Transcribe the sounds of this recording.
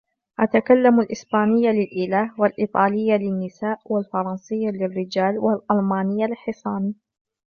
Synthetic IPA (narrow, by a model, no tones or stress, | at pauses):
ʔat̪akalːamalʔɪsbaːnɪjːalɪlʔɪlaːhwalʔiːt̪ˤɑːlɪjːalɪnːɪsaːʔwalfɑɾˤɑnsɨjːalɪrːɪd͡ʒaːlwalʔɑlmɑːnɪjːalħɪsˤɑːni